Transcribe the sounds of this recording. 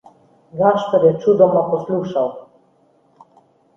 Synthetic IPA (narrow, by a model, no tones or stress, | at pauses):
ɡaʃt̪əɾjɛt͡ʃud̪ɔmapɔsluʃaw